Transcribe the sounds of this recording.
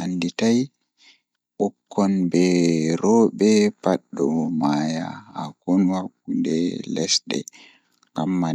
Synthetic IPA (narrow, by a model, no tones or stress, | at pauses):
ʔanditaj | ɓɔkʰːɔnbɛɾɔːɓɛpaɗːɔmaja̰ːkɔnwakːundɛlɛsɗɛ̰ | ŋɡamːa